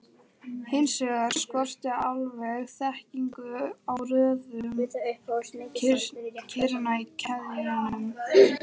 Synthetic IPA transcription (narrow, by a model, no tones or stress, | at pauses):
hɪnsɛɣaɾ̥skɔr̥t̪aalvɛɣθɛhciŋkʏawrœːðʏm | cʰɪɾnaicʰɛðinʏm